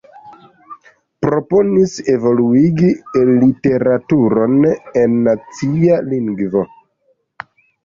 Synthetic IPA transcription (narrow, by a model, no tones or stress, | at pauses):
pɾo̞po̞nise̞vo̞luiɡilite̞ɾatuɾo̞ne̞nːat͡sialiŋɡvo̞